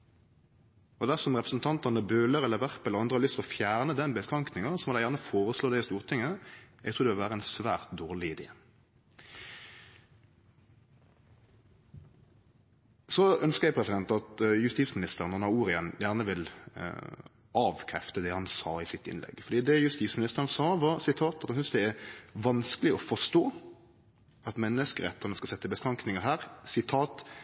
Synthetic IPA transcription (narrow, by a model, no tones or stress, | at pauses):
ɔd̪æʁsɔmʁɛpʁəsn̩t̪ʰɑnt̪ənəbøːləɾɛlːəʋæʁpɛlːəʁɑnd̪ʁəhɑlʏst̪ɔfjæːʁnəd̪ɛnbəskʁɑŋknɪŋəsɔmɔd̪ɛjæʁnəfoːʁəsloːd̪æɪɪst̪uːʁt̪ʰɪŋːəɛɡt̪ʰuːd̪ɛʋɪlʋæːʁəɛnsʋæːʁt̪̚d̪oːʁlɪɪd̪ḛː | sɔœnskəjɛɪpʰʁɛsɪd̪ɛnt̪ɑt̪jʉst̪iːt̪smɪnɪst̪əʁənɔnɑuːɾɪənjæːʁnəʋɪl | ʔɑːʋkʰɾɛft̪əd̪ɛhɑnsɑ̰ːɪsɪt̪ɪ̰nlɛ̰ɡfɔʁd̪iːd̪ɛjʉst̪iːt̪smɪnɪst̪əʁənsɑːʋɑʁsɪt̪ʰɑːt̪ɑt̪hɑnsʏnsd̪ɛæɾʋɑnskəlɪɔfɔʂt̪oː | ɑt̪mɛnːəskəʁɛt̪ːəʁnɛskɑsɛt̪ːəbəstʁɑŋknɪŋəʁɦæːʁsɪt̪ʰɑːt̪